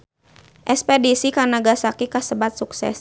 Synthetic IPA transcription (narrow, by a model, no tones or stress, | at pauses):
ʔɛspɛdisikanaɡasakikasəbat̪̚suksɛ̰s